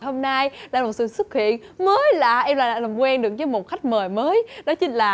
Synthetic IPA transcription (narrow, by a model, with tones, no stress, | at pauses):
ɦo˧mna˧jlaː˨˩mo˨˩t̚sɨ̰˧˨˩swu˦˥t̚hḭ˧˨ən | məː˨˦jla̰ː˧˩ʔɛ˧mlaː˨˩ɗaː˧˩lə˨˩wŋ͡mkwɛ˧nɗɨ˨˩ək̚ɲɔ˧mo˨˩t̚xa˦˥jk̟̚məː˨˩jməː˨˦jnɔ˨˦t͡ɕï˨˦ŋ̟laː˨˩